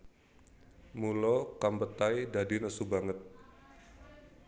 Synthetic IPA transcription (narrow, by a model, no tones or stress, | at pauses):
mulokambət̪ajdadinəsubaŋət̪̚